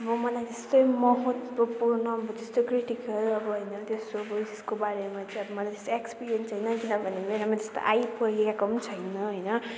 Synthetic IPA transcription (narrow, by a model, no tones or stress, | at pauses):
ʌbʌmʌlajt̪est̪ojmʌɦot̪bopuɾnʌʌbʌt̪est̪okriʈikʌlʌbʌɦʌjnʌt̪esobʌbiseskobaɾemat͡sʌj̃ʌbʌmʌlajt̪e̥st̪oekspiɾijensʰʌjnʌkinʌbʱʌnemenamat̪est̪o̰ʔajpʌɾiekakʌnt͡sʰʌjnʌɦʌjnʌ